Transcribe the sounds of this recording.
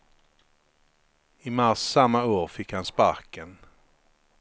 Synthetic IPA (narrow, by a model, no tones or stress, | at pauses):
ɪmaɾsːamːaoːɾfɪkhanspaɾkən